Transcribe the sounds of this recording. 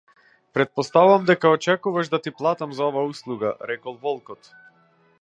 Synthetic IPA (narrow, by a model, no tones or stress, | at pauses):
pɾɛt̪̚pɔst̪auvamd̪ɛkaɔt͡ʃɛkuvaʒd̪at̪iplˠat̪amzaɔvauslˠuɡa̰ɾɛkɔlˠvɔlˠkɔt̪